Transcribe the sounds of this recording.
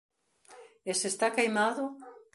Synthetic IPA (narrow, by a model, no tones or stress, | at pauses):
esest̪akajmaðʊ